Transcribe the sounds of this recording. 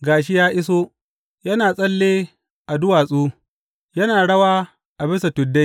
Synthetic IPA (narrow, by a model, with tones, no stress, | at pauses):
ɡaː˨ʃ̬ɪ˦jaː˦ʔɪ˦s̬oː˦ | jɐ˦naː˨sʼɐ˦lːeː˦ | ʔa˨dʊ˦waː˨sʼuː˦ | jɐ˦naː˨ɽɐ˦waː˦ | ʔa˨bɪ˦sa˨tʊ˨dːe˦